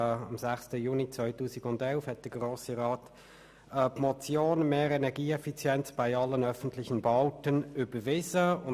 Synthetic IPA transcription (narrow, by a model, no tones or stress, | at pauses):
ɑ̰mzæχstəjuːnit͡svœʏtuːsɪɡʊndɛlfhɛt̚d̥əɡʁoːsəʁɑːt | əpmɔt͡sjoːnmeːʁɛnɛʁɡiːɛfit͡sjɛnt͡sb̥aɪɑlːənœfən̩tlɪçənbɑʊtənybəvɪzəʊn